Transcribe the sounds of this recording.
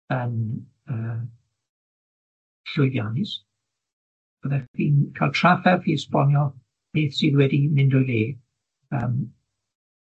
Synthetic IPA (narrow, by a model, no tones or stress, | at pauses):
ən | əː | ɬʊɨðjanɪs | b̥əðɛðiːnkʰalˠtʰr̥afɛrfiɪspɔnjɔ | b̥eːθsiðwɛdimɪndɔɨðeː | ə̰ːm